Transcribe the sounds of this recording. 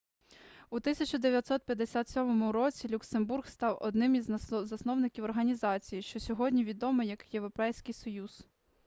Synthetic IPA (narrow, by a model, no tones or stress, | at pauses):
ut̪ɪsʲɐt͡ʃɔd̪eʋʲjɐt̪sɔt̪̚pʲjɐd̪esʲat̪sʲɔmɔmʊɾɔt͡sʲilʲuksemburxst̪ɑwʔɔ̰d̪nɪmizʲzɐsnɔwnɪkʲiwɔrɦɐnʲizɑt͡sʲijiʃt͡ʃɔsʲɔɦɔdʲnʲiʋʲid̪ɔmɪjɐkjeʋɾɔpɛjsʲkɪjsɔjuz̥